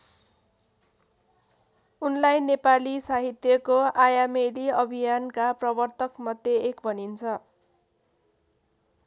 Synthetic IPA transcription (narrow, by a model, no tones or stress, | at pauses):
unlajnepalisaɦit̪jʌkoajameliʌbʱijankaprʌbʌrt̪ʌkmʌd̪jeekbʱʌnint͡sʰʌ